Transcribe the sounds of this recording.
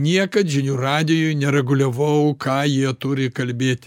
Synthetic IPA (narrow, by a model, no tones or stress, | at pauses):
nʲiɛkɐt̪ʒʲɪnʲuːrɑːd̪ʲɪjʊjnʲɛɾʲɛɡʊlʲɛʋɐʊkʰɑːjiɛt̪ʊɾʲɪkɐlʲbʲeːt̪ʲ